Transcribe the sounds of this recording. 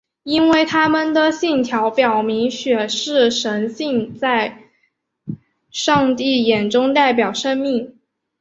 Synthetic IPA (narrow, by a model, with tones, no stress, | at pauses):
i˥nwe˥˩ɪt̪ʰa˥mə˨nd̪ə˨ɕi˥˩ŋt̪ʰjɑ˧˥ʊpjɑ˨˩ʊmi˧˥ŋɕɥɛ˨˩ʂɻ̩˥˩ʂə˧˥nɕi˥˧ŋt͡sa˥˧ɪ | ʂɑ˥˧ŋt̪i˥˩jɛ˨˩nʈ͡ʂʊ˥ŋt̪a˥˩ɪp̬jɑ˨˩ʊʂə˥ŋmi˥˩ŋ